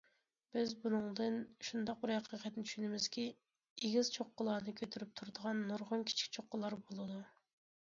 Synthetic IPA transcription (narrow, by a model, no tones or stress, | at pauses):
b̥ɪzbunɨŋd̪ɨnʃund̪ɑq̚bɪɾhɛqʰəqʰɛt̪̚nɪt̪ʰy̥ʃynɪmɪz̥kʲi | eɡʲizt͡ʃʰoqːəlˠɑɾnɨkʲʰøt̪ʰyɾyp̚t̪ʰuɾd̪əʁɑnːuɾʁʊnkʲʰi̥t͡ʃʰi̥kʲt͡ʃʰoqːəlˠɑɾbolˠɨd̪u